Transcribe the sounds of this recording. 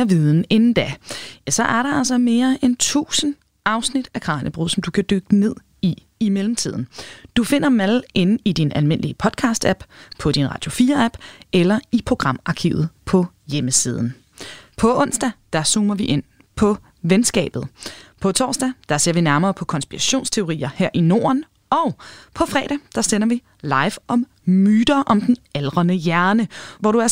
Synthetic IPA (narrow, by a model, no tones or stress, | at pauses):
ɐʋiðˠn̩e̝nn̩d̥ææsɒ̽ʔæɐɾɑ̈ælsɐme̝ːɐʔent͡sʰṵːsən̩ | ʔɑ̈ʊsnid̥ækʰɑ̈ːnʔəb̥ʁuð̰ˠsɒ̽md̥ukʰæd̥øɡ̥əne̝ð̞̰ˠ | i | imelm̩t͡sʰið̞̰ˠn̩d̥ufe̝n̰ɐmælʔe̝nn̩id̥inʔælme̝n̰əliəpʰɒ̽d̥̚kʰɑ̈ːsd̥æb̥pʰɒ̽d̥inʁɑ̈d̥jo̝fiːɐæb̥elɐipʰʁo̝ɡ̥ʁɑ̈m̰ɑ̈kʰḭʊð̞̩ˠpʰɒ̽ | jeməsiːð̞ˠn̩ | pʰɒ̽ɔ̽n̰sd̥æd̥ɑ̈suːmɐʋiʔe̝n̰ | pʰɒ̽ | ʋensɡ̥ɛ̰ːb̥ð̩ˠpʰɒ̽t͡sʰɒ̰ːsd̥æd̥ɑ̈se̝ɐ̰ʋinæɐmɐːpʰɒ̽kʰɒ̽nsb̥iʁæɕo̝̰ːnst͡sʰe̝o̝ʁḭːɐheɐ̰ʔino̝̰ːɐn | ʔɒ̽ʊpʰɒ̽fʁɛ̰ːɾ̥ɛd̥ɑ̈senɐʋi | lɑ̈ɪʋɒ̽m | myːd̥ɐʔɒ̽md̥n̩elʁɐnəjæɐnəʋɒɾ̥uæɐ